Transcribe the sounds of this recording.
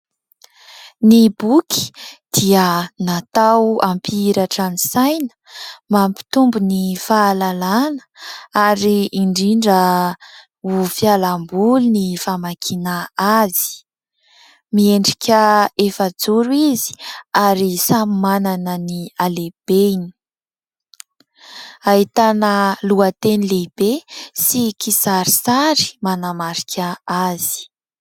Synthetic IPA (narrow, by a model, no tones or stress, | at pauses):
nibukʰi̥d̪̥iənat̪awampʰiɾaʈ͡ʂanisajnə̥mampi̥t̪umbunifaːlalanə̥aɾiːɳɖ͡ʐiɳɖ͡ʐə | ufjalambulunifamakʰinaazi̥ | mieɳɖ͡ʐi̥kʰʲəefəd͡zuɾuizi̥aɾisamimananənialeb̥eini̥ | aɦit̪anəluət̪enilebesikisaɾisaɾi̥manamaɾikʰʲəazi̥